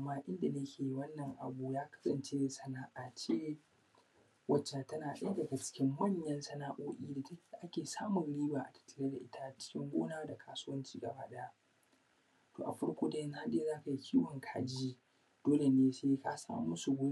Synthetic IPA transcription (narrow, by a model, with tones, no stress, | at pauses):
mːaː˦ʔɪ˦nda˨nɐ˦kʲeː˨ji˦wɐ˦nːɐ˨ŋʔa̰˨buː˦jaː˦kɐ̥˦sɐ˨nt͡ʃe˦sɐ˦naː˦ʔa˨t͡ʃeː˦ | wɐ˦t͡ʃːa˨tɐ˦naː˨ɗe˦dɐ˨ɡa˨t͡ʃɪ̥˦kʲɪ˦mːɐ˦ɲjɐ˦nsɐ˦naː˦ʔoː˦ʔʲʼiː˦da˨tʔa˦kʲeː˨saː˦mʊ˨ŋɽiː˦baː˨ʔa˨tʰɐ̥˦tːɐ̥˨leː˦da˨ʔɪ˦tʰa˦ʔt͡ʃɪ̥˦kʲɪ˦ŋɡʷoː˦naː˦da˨kʰaː˦su˦wɐ˦nt͡ʃiː˦ɡɐ̰˨ba̰ː˦ɗɐ˦ja˦ | to̰ː˨ʔa̰˨ɸɐ˦ɽkʷoː˦da˦jɐ˦n˦ha˦ɗe˦zaː˦ka˨ji˦kʲiː˦wɐ˨ŋkʰa̰ː˨d͡ʒi˦ | d̥oː˦le˨neː˦seː˦ka̰ː˦sa̰ː˦m˦mʊ˦su˨ɡʷoː˦